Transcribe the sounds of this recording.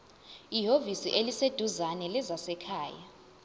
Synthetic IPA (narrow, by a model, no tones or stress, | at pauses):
iɦovisiʔelised̥ʱuzanɛlɛzasɛkʰaːja